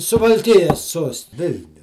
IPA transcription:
sʊʋɐlʲˈkʲɪjɛs ˈsuɔst ˈʋʲɪlʲnʲʊ

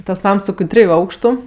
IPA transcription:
ˈtɐs ˈnɐms ˈsɑːkoː ˈtʲrʲɪjʊ ˈɐʊkʃtʊ

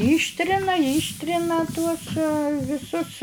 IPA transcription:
ˈiːʃʲtʲrʲɪnɐ ˈiːʃʲtʲrʲɪnɐ tuɔs ʋʲɪˈsʊs

